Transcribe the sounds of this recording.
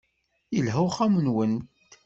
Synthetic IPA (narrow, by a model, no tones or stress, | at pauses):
jəlɦəχamənwənt̪